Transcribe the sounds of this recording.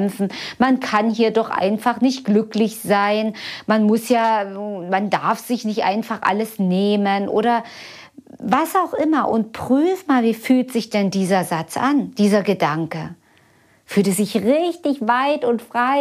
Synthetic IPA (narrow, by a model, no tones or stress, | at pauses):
ɛmfn̩mankʰanhiːɐdɔχʔa̰ɪnfaχnɪçt̚ɡ̥lʏklɪçz̥aɪnmanmʊsjaːmandaɐfz̥ɪçnɪçtʔa̰ɪnfaχʔa̰ləsneːmənʔo̰ːɾɐ | vasaʊxʔɪmɐʔʊnt̚pʁ̥yːfmaːlviːfyːltz̥ɪçd̥ɛndiːzɐzat͡sʔa̰nd̥iːzɐɡədaŋkə | fyːltəzɪçʁɪçtɪçvaɪtʊntfʁ̥aɪ